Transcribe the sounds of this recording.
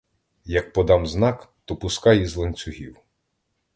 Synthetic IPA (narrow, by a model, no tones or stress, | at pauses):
jɐk̚pɔd̪ɑmznɑkt̪ɔpʊskɑjizlˠenʲt͡sʲʊɦʲiw